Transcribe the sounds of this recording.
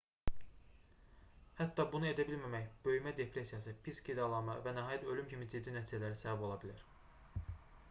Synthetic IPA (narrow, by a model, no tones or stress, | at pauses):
hæt̪ːɑbunue̞d̪æbilmæmæçb̥ø̞jmæd̪e̞pʰɾe̞sijɑsɯpʰiskid̪ɑlˠɑmɑvænæɦɑːjæt̪ʰø̞lymcʰimid͡ʒid̪ːinæt̪ʰiːd͡ʒælæɾisæbæbo̞lˠɑbilæɾ